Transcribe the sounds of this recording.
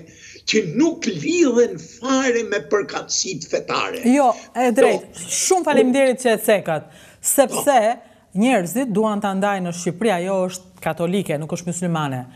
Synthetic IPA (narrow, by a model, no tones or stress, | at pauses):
cənukliðɛnfaɾɛmɛpəɾkat̪sit̪fɛt̪a̰ɾɛ̰jɔɛd̪ɾɛjt̪ʃumfalimd̪jɛɾit̪̚cəɛt͡sɛkat̪̚ | sɛpsɛ | ɲɛɾzit̪̚d̪uant̪and̪ajnəʃ̬cipɾiajɔəʃt̪̚kat̪ɔlikɛnukəʃt̪musulmanɛ